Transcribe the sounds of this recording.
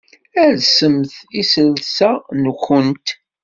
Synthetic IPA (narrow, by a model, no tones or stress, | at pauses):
æðsəmθisəlsænəxənt̪